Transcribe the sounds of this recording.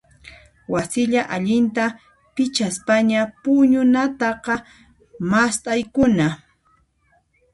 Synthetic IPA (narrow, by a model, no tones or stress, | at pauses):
wasɪʎaʔaʎɪnt̪a | pɪt͡ʃaspaɲapʊɲʊnat̪ɑqɑ | mast̪ʼajkʊna